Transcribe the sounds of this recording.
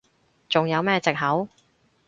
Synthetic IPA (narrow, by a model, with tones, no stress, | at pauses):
t͡sʊ˨ŋjɐ˨˧wmɛː˥t͡sɪ˨k̚ɦɐ˨˥w